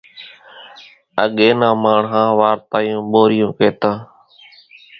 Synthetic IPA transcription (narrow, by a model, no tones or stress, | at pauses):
ə̰ɠeːnãːmaːɳɦãːʋaːɾt̪aːjõːɓoːɾɪjõːkeːt̪ãː